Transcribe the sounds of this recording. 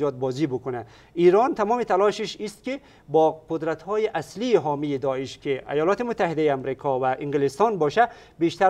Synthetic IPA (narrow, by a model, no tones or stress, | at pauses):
jɒːt̪̚bɔːzibukʊnæ | iːɾɔnt̪ʰamɔːmit̪ʰalɔʃiʃist̪̚ki | bɔqʊd̪ɾat̪hɔːjiʔæsliːɦɔːmiid̪ɔiʃkiʔa̰jɔːlɔːt̪imʊt̪ʰːahid̪ajiamɾikʰɔvæʔiŋɡilist̪ɔnbɒːʃæ | beʃt̪æ